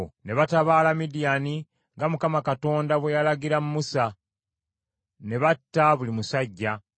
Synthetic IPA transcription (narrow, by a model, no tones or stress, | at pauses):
ne̞βataβaːlamidijani | ŋɡamukamakato̞ːndaβwe̞jalaɡiɾamumusa | ne̞βatːaβulimusaɟːa